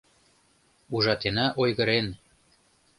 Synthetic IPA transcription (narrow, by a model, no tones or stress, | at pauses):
uʒɑt̪enæʔojɣɤ̆ɾen